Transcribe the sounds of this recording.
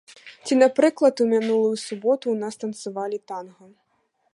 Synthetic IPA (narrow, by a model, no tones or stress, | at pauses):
t͡sʲinapɾɨklˠɐt̪umʲinulˠujusubɔt̪uːnast̪ɐnt̪sɨvalʲit̪anɣɐ